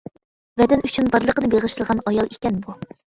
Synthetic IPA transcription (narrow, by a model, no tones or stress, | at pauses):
vɛd̪ɪnyt͡ʃʰynbɑɾlˠəqənɨbeʁəʃt̪ɨlˠʁɑnɑjɑlˠekʲɛnbu